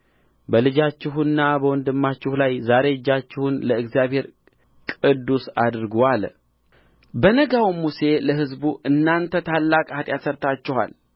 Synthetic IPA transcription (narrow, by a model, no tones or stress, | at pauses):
bəlɨd͡ʒat͡ʃːɪɦɨnːabəwɔnd̪ɨmːat͡ʃːɪhlajzaɾe̞d͡ʒːat͡ʃːɪhunləɨɡzijaβhe̞ɾ | kʼɨd̪ːusad̪ɨɾɡowal | bənəɡawmːuse̞ləɦɨzbuʔɨnːant̪ʰət̪ʰalːakʼat̪ʼjasəɾt̪ʰat͡ʃːɪha̰l